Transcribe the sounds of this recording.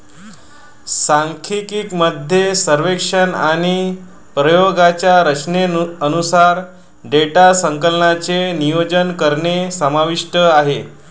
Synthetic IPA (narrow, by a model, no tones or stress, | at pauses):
saŋkʰikiːkməd̪ʱjesəɾʋekʂənaɽ̃i | pɾəjoɡat͡ɕjaɾət͡ɕneənusaɾ | ɖeʈasəŋkəlɳat͡senijod͡ʑənkəɾɳesəmaʋiʂʈəaɦe